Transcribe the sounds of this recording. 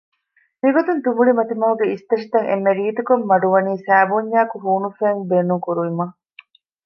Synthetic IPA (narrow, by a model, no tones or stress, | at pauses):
miɡot̪unt̪umuɭimɐt̪imɐɦuɡeist̪ɐʂi̥t̪ɐŋḛmːeɾiːt̪ukomːɐɖuʋɐniːsæːbuɲːaːkuɦuːnufeŋbeːnuŋkuɾuʋimɐ